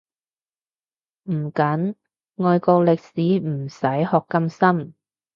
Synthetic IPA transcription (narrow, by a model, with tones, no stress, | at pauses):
m̩˨˩kɐ˨˥n | ŋɔː˧jkɔː˧lɪ˨k̚siː˨˥m̩˨˩sɐ˨˥jhɔː˨kːɐ˧msɐ˥m